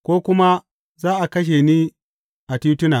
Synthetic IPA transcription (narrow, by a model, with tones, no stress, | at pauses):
kʷoː˦kʷʊ˦ma˦ | zaː˦ʔa˨kɐ˦ʃ̬e˨niː˦ | ʔa˨tu˦tʊ˦naː˨